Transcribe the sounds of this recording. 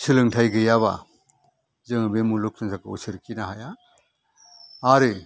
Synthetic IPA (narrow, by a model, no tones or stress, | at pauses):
sʰɯlɯŋtʰajɡɯjaβa̰ | zɯŋabemuluk̚nɯzakɯṵsɯɾkʰinaɦaja | aɾɯ